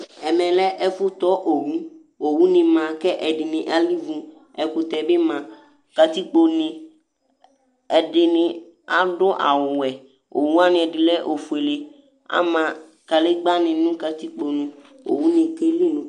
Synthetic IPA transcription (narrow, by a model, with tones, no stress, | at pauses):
ɛ˨mɛ̃˨lɛ˦ʔɛ˦fʊ˦t̪ɔ˦ʔo˨wũ˦ | o˨wũ˦nɪ̃˧mã˨kɛ˦ʔɛ˨dɪ˨nɪ̃˨ʔa˦li˦vũ˧ | ɛ˨ku˧t̪ɛ˨be˦mã˧ | ka˧t̪i˦k͡po˧nɪ̃˧ | ɛ˨ɖɪ˧nɪ̃˧ | a˦ɖʊ˦ʔa̰˨wʊ˨wɛ˨ | o̰˨wũ˦a˦nĩ˧ɛ˨dɪ˨lɛ˦ʔo˨fu˨e˨le˨ | a̰˦mã˧ | ka˨le˦ɡ͡ba˦nɪ̃˧nũ˦ka˧t̪i˦k͡po˧nũ˧ | o̰˨wu˦nĩ˧ke˦li˦˨nũ˨˦